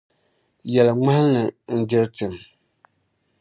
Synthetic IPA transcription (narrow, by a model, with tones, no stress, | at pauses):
jɛ˨lɨ˨ŋ͡ma˦hnɨ˨n̩˦dɪ˦ɾtɨ˨m